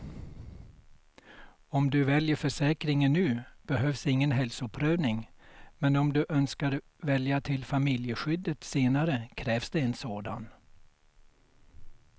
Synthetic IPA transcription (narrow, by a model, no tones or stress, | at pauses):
ɔmd̪ɵvɛljəɾfœʂɛːkɾɪŋənːʉ̟ːb̥ɛɦœːvsɪŋːənɦɛlsʊɵpʰːɾøːvnɪŋmɛnɔmd̪ɵʔœnskaɾ | vɛljat̪ʰɪlfamɪljəɧʏd̪ːət̪seːnaɾəkʰɾɛːvsd̪ɛɛnsoːd̪a̰n